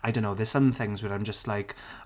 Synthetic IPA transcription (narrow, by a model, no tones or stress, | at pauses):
aɪdõʊ̃nːoʊðə̥sə̃mθɪ̃ŋzwənãɪ̃md͡ʒʌstˡlaɪk